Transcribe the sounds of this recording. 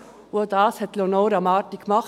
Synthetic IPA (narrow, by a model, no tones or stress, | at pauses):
odɑːshɛtlonoːɾamɑːɾtɪkːmɑχ